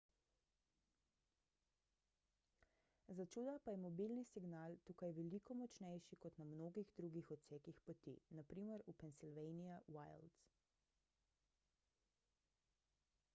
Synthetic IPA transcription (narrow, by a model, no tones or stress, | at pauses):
zat͡ʃuːd̪apajɛmɔbilnisiɡnaːlt̪ukajʋɛlikɔmɔt͡ʃnɛjʃikɔt̪namnoːɡiɣd̪ɾuːɡixɔt̪sɛːkixpɔt̪ḭnapɾiːməɾupɛnsilʋɛjnijawajld̪s